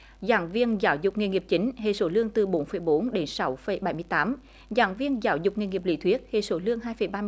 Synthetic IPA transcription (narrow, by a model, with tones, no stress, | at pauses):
zaː˧˦ŋvi˧ənzaː˨˦wzʊ˨˩k͡p̚ŋi˧˨ŋi˨˩əp̚t͡ɕï˨˦ŋ̟ɦḛ˧˨so˧˦lɨ˧əŋt̪ɨ˨˩ɓo˨˦nfə˧˩jɓo˨˦nɗe˨˦nsa˨˦wfə˨˧˩jɓa˧˩jmɨ˧əjt̪aː˨˦m | zaː˧˦ŋvi˧ənzaː˨˦wzʊ˨˩k͡p̚ŋi˧˨ŋi˨˩p̚lḭ˧˩t̪ʰwi˦˥ət̚hḛ˧˨so˨˦lɨ˧əŋɦaː˧jfə˨˩jɓaː˧